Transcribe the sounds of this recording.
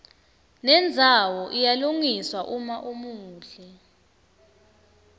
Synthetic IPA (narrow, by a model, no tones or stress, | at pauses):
nɛnd͡zʱawɔʔijaluŋiswaʔumaʔumuːɬɛ